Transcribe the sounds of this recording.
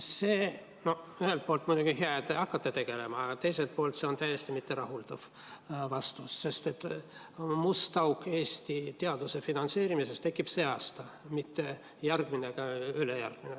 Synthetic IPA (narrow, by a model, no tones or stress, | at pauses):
seː | no̞ | yhelt̪̚po̞ːlt̪mujd̪uɡ̥iɦeɑet̪ːeɑkːɑt̪ːet̪e̞ɡ̥e̞le̞mɑːɡɑt̪e̞jse̞lt̪̚po̞ːlt̪se̞o̞nt̪æje̞st̪imit̪ːe̞ɾɑɦuld̪̥ɑv̥ | vɑst̪usːe̞st̪e̞t̪ːˑ | must̪ɑwkːˑe̞ːsʲt̪it̪eɑd̪̥use̞finɑnt̪se̞ːɾimise̞st̪ekːˑib̥se̞ːɑːst̪ɑ | mit̪ːe̞ | jærɡ̥mineɡ̥ɑylejæ̰rɡ̥mine